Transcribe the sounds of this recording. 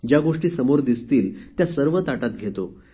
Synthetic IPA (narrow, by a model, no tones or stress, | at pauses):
d͡ʑjaɡoʂʈiːsəmoɾd̪ist̪iːlt̪jasəɾʋət̪aʈat̪̚ɡʱet̪o